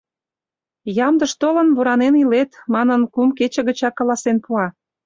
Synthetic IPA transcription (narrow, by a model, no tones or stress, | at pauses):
jɑmd̪əʃt̪olə̆nβuɾɑnenilet̪mɑnənkumket͡ɕə̆ɣə̆t͡ɕɑkːɑlɑsenpuɑ